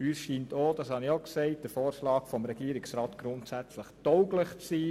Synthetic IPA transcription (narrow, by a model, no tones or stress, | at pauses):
yːsʃiːntoːd̥ɑshɑniokseɪt̚d̥əfoːɾʃlɑːkfɔmɾɛɡiːɾɪksɾɑːtɡ̥ɾʊntsæt͡sləχtɔwɡləχt͡sːiː